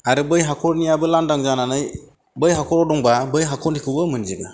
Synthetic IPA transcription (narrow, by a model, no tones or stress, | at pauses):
aɾɯbɯjɦakʰɔɾnijabɯlandaŋzananɯj | bɯjɦakʰɔɾɔdɔŋbabɯjɦakʰɔɾnikʰɯbɯmɯnziɡa